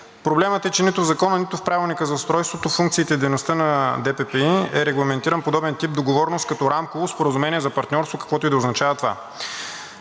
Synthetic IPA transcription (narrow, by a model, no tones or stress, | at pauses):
pɾoblɛmət̪ɛt͡ʃɛnit̪ʊvzɐkɔnənit̪ʊfpɾavilˠnikəzɐst̪ɾɔjst̪vot̪ofuŋk̚t̪siːt̪ɛid̪ɛjnost̪ənɐd̪ɛpɛpɛiɛɾɛɡlˠɐmɛnt̪iɾənpod̪ɔbɛnt̪ip̚d̪oɡovɔɾnost̪̚kɐt̪ɔɾamkovospoɾəzʊmɛnʲiɛzɐpɐɾt̪nʲɔɾst̪vokɐ̥kvɔt̪oʊid̪ɐoznɐt͡ʃavət̪ova̰